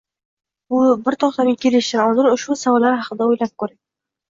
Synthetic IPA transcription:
bʊbɪɾt̪ʰɒqt̪anɪkʲʰeleʃt̪ɪɾɒlˠd̪ɪɾʊʃbʊsavɒlːaɾhɑqʰɨd̪aojlap̚kʰɵɾak̚ʲ

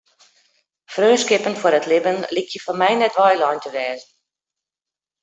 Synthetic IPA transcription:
frøːskɪpənfwəɾətlɪbənlikʰjəfɔrmɛjnɛtʋɔjlɔjntəʋɛːzn̩

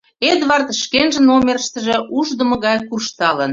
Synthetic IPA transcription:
ed̪vɑrt̪ʃkenʒə̆nomerəʃt̪əʒĕuʒd̪ə̆mə̆ɣɑjkurʃt̪ɑlən

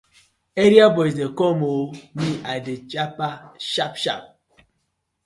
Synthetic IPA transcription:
eɾiabɔisdekɔmoniadet͡ʃapaʃap̚ʃa̰p̚

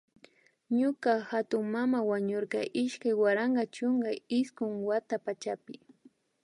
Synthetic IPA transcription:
ɲʊkahat̪ʊŋmamawaɲʊɾkɑʔɪʃkajwaɾaɴɢɑt͡ʃʊŋɡaɪskʊŋwat̪apat͡ʃapɪ

